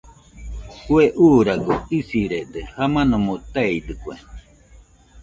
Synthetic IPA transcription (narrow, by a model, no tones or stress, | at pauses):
kueʔuːɾaɡoisiɾed̪ehamãnomõt̪aid̪ɨkue